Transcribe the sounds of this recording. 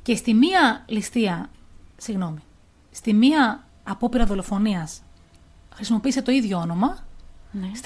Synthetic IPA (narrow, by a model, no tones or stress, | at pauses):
ce̞st̪imiɐlist̪iɐ | siɣno̞mi | st̪imiɐː | po̞piɾɐðo̞lo̞fo̞niɐs | xɾisimo̞piːset̪o̞iðʝo̞ono̞mɐ